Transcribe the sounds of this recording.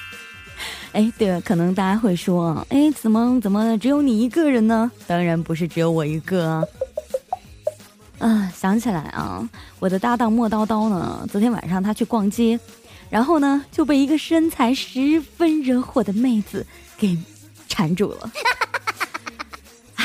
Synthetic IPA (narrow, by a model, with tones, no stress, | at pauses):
e˥˩ɪt̪we˥˩ɪkʰɤ˨˩nɤ˧˥ŋt̪̬a˥˧t͡ɕa˥xwe˥˩ɪʂwɔ˥ɐ̰˧˩ʔe˥˩ɪt͡sɹ̩˨˩mə˦t͡sə˨˩nmə˦ʈ͡ʂɻ̩˧˥jo˧˥ʊni˨˩i˧˥ɡə˥˧ɻə˧˥nnə˧t̪ɑ˥ŋɻa˧˥npu˧˥ʂ̬ɻ̩˥˩ʈ͡ʂɻ̩˧˥jo˧˥ʊwɔ˨˩i˧˥ɡə˥˧˩ | ə˥˧˩ɕjɑ˧˥ŋt͡ɕʰi˨˩la˧˥ɪʔɐ̰˧wɔ˨˩d̪ə˦t̪a˥˧t̪ɑ˥˧ŋmwɔ˥˩t̪ɑ˥ʊt̪ɑ˥ʊnə̰˨t͡swɔ˧˥t̪ʰjɛ˥nwa̰˨˩nʂɑ˥˩ŋt̪ʰa˥t͡ɕʰy˥˧kwɑ˥˩ŋt͡ɕjɛ˥ | ɻa˧˥nxo˥˩ʊnə˩t͡ɕjo˥˧ʊp̬e˥˩ɪi˧˥ɡə˧ʂə˥nt͡sʰa˧˥ɪʂɻ̩˧˥fə˥nɻə˧˥xwɔ˥˩d̪ə˩me˥˩ɪd͡zɹ̩˩ | ke˨˩ɪ | ʈ͡ʂʰa˧˥nʈ͡ʂṵ˨˩lə̰˨˦˧